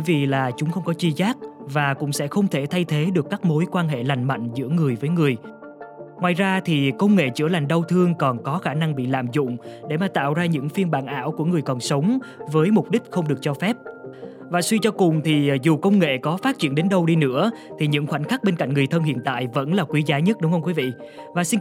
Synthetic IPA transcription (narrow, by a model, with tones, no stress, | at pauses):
jvḭ˧˨laː˨˩t͡ɕʊ˨˦ŋ͡mxə˧wŋ͡mkɔ˨˦t͡ɕi˧zaː˦˥k̚vaː˨˩kʊ̰˧˥ŋ͡msɛ̰˧˥xə˧wŋ͡mt̪ʰe˧˩t̪ʰa˧jt̪ʰe˨˦ɗɨ˨˩əkːaː˦˥k̚mo˨˦jkwaː˧nɦḛ˧˨la˨˩jŋ̟ma̰˧˨jŋ̟zɨ̰˧˥əŋɨ˨˩əjvəː˨˦jŋɨ˨˩əj | ŋwaː˨jzaː˧t̪ʰi˨˩kə˧wŋ͡mŋḛ˧˨t͡ɕɨ̰˧˥əla˨˩jŋ̟ɗə˧wt̪ʰɨ˧əŋkɔ˨˩nkɔ˨˦xaː˧˩na˧ŋɓḭ˧˨la̰ː˧˨mzʊ̰˧˨ŋ͡mɗe˧˩maː˨˩t̪a̰ː˧˨wzaː˧ɲɨ̰˧˥ŋfi˧ənɓaː˧˨nʔa̰ː˧˩wku˧˩əŋɨ˨˩əjkɔ˨˩nsə˨˦wŋ͡mvəː˨˦jmʊ˨˩k͡p̚ɗï˦˥k̟̚xə˧wŋ͡mɗɨ˨˩ək̚t͡ɕɔ˧fɛ˦˥p̚ | vaː˨˩swi˧t͡ɕɔ˧kʊ˨˩ŋ͡mt̪ʰi˨˩zu˨˩kə˧wŋ͡mŋḛ˧˨kɔ˨˦faː˦˥t̚t͡ɕḭ˧˩ənɗe˨˦nɗə˧wɗi˧nɨ̰˧˥ət̪ʰi˨˩ɲɨ̰˧˥ŋxwa˧˩n̟xa˦˥k̚ɓe˧nka̰˧˨jŋ̟ŋɨ˨˩jt̪ʰə˧nhḭ˧˨ənt̪a̰ː˧˨jvə̰˧˥nlaː˨˩kwi˨˦zaː˨˦ɲə˦˥t̚ɗʊ˨˦ŋ͡mhə˧wŋ͡mkwi˨˦vḭ˧˨ | vaː˨˩si˧n